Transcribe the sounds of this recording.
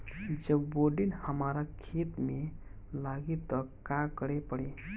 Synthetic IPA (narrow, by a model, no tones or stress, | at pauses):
d͡ʒəbboɖinhəmaɾakʰet̪me | laɡet̪ɔkakəɽepəɽe